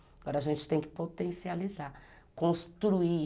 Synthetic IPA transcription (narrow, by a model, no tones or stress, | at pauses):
ɡɔɾɐaʒẽnt͡ʃɪ̥t̪ẽj̃kɪ̥pot̪ẽsializa | kõst̪ɾui